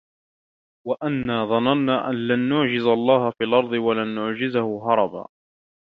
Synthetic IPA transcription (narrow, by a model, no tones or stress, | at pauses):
waʔanːaːðˤɑnɑnːaːʔanlanːʊʕd͡ʒɪzalˤːɑːhafiːlʔɑɾˤd̪ˤɨwalanːʊʕd͡ʒɪzahʊɦɑɾˤɑba̰ː